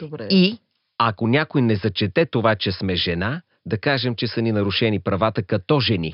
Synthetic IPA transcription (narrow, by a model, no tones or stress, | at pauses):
ɾi | ɐkonʲakojnɛzɐt͡ʃɛt̪ɛt̪ovat͡ʃɛsmɛʒɛna | d̪ɐkaʒɛmt͡ʃɛsɐninɐɾʊʃɛnipɾɐvat̪əkɐt̪ɔʒɛnḭ